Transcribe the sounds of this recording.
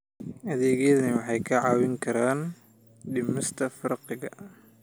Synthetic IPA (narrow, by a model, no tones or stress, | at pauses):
ʔɐðɛːɣɛðnɐwɑħɑjkʰɐʕɑːwɪŋkʰɐɾaːn | ɖɪmɪst̪ʰɐfɐɾqɪɣɐ